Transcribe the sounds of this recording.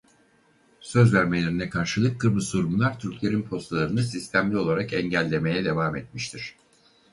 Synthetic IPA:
sø̞zvæɾme̞lʲe̞ɾinɛkʰaɾʃɯlˠɯk̚ːɯɾbɯsuɾumlˠaɾt̪ʰyɾclʲe̞ɾinpʰo̞st̪ʰalˠaɾɯnɯsist̪ʰæmlʲio̞lˠaɾakɛɲɟælʲːe̞me̞jɛd̪e̞vaːmɛt̪̚miʃt̪ʰiɾ̥

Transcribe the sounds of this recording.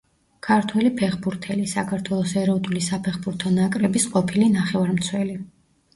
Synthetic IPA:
kʰaɾt̪ʰwɛlipʰɛχbuɾt̪ʰɛlisakʰaɾt̪ʰwɛlˠɔsɛɾɔd̪ulisapʰɛχbuɾt̪ʰɔnakʼɾɛbisqʼɔpʰilinaχɛvaɾmt̪sʰwɛli

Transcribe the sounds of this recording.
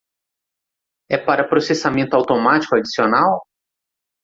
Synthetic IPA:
ɛpaɾɐpɾosesamẽnt̪ʊawt̪omat͡ʃi̥kʊad͡ʒisionaw

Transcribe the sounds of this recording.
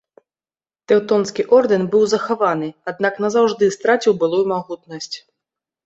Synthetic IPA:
t̪ɛwt̪ɔnskʲiʔɔrd̪ɛnbɨwzɐxavanɨad̪̚naknɐzawʐd̪ɨst̪ɾat͡sʲiwbɨlˠujumaɣut̪nɐsʲt͡sʲ

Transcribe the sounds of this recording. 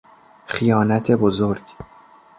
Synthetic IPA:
χijɒːnæt̪ʰe̞bozoɾɡ̥

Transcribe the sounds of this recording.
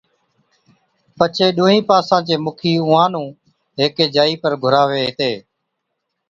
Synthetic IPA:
pət͡ʃʰeːɗũːɦĩːpaːsãːt͡ʃeːmʊkʰiːʊ̃ːãːnũː | ɦeːkeːd͡ʒaːiːpəɾɡʱʊɾaːʋeːɦɪt̪eː

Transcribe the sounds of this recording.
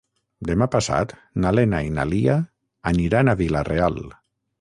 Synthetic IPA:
d̪emapasa̰t̪ | nalenaina̰liaː | niɾanaβilareal

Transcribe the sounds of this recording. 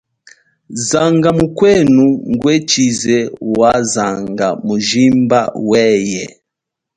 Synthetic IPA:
zaŋɡamukwɛnuŋɡwɛt͡ʃizɛwazaŋɡamuʒimbawɛjɛ̰

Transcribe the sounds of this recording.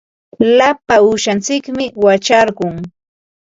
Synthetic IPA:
lapaʊʃant͡sɪkmɪwat͡ʃaɾɢʊŋ

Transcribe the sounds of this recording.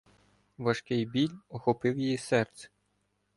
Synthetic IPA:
ʋɐʃkɪjbʲilʲɔxɔpɪwjejisɛrt̪sɛ̥

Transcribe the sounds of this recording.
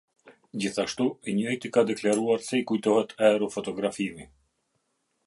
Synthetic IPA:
d͡ʑiθaʃt̪uɛɲəɛjt̪ikad̪ɛklaɾuaɾsɛikujt̪ɔɦɛt̪ʰɛɾɔfɔt̪ɔɡɾafimi

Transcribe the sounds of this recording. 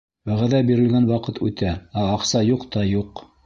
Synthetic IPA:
wæʁæðæbiɾɘ̆lɡænwɑqɤt̪ʰʉt̪ææɑqsɑjuqt̪ɑjuq

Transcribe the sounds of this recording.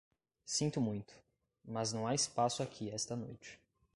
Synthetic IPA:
sĩnt̪ʊmũj̃t̪ʊ̥ | mɐznɐ̃w̃aɪspasʊakʰiɛst̪ɐnojt͡ʃɪ̥

